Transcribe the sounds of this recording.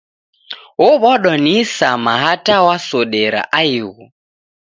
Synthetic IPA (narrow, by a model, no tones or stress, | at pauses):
ɔβɔɗɔnisamaɦatawasɔɗɛɾa̰ʔaiɣu